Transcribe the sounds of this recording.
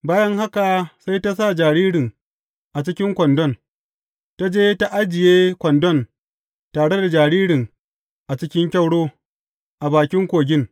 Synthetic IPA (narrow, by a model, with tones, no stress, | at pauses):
baː˦jɐ˦ŋha˦ka˨sa˦jta˦s̬a˦˨d͡ʒaː˨ɽiː˦ɽɪ˨ŋ | ʔa˨t͡ʃɪ˦kʲɪ˦ŋkʷɔ˨ndɔ˦n | ta˦d͡ʒeː˦ta˦ʔa˦d͡ʒɪ˨jeː˦kʷɔ˨ndɔ˦˨n | taː˨ɽe˦da˨d͡ʒaː˨ɽiː˦ɽɪ˨n | ʔa˨t͡ʃɪ˦kʲɪ˦ŋkʲa˦˨wɽoː˦ | ʔa˨baː˨kʲɪ˦ŋkʷoː˨ɡʲɪ˦ŋ